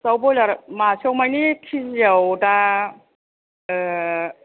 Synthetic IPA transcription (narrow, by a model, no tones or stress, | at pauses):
sawbɔjlaɾmasɔwmajnikʰizijawda